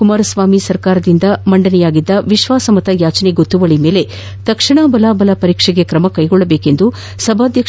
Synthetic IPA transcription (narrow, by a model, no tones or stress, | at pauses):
umaːɾɐsʋaːmisɐɾkaːɾɐd̪ind̪ɐmɐɳɖɐnɛjaːɡid̪ːɐʋiʃʋaːsɐmɐt̪ɐjaːt͡ʃɐneɡot̪ːuʋɐɭime̞ːle̞ | t̪ɐkʂiɳaːbɐlaːbɐlɐpɐɾiːkʂɛɡe̞kɾɐmɐkɐjɡɔɭːɐbeːke̞nd̪u | sɐbʱaːd̪ʱjɐk